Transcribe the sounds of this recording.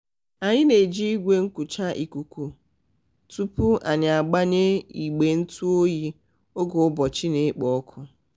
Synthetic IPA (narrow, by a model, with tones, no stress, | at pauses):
a˨ɲɪ˦ne˨d͡ʒi˦i˦ɡʷe˦ŋ̩˦kʊ˨t͡ʃa˦ʔi˨ku˨kʷu˨ | tu˦pʊ˦ʔa˨ɲa˨a˨ɡ͡ba˦ɲe˦i˨ɡ͡be˨n̩˦tu˦o˦ji˦ | ʊ˦ɡʊ˨ʊ˦bɔ˨t͡ʃi˦ne˨˦k͡pɔ˨˦kʰʊ˦